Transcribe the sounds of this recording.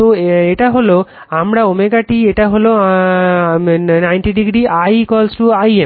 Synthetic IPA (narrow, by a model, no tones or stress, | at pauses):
t̪oeʈaɦolo | amɽaomeɡaʈieʈaɦolo | najnʈiɖiɡɽiajkɔlsʈuaje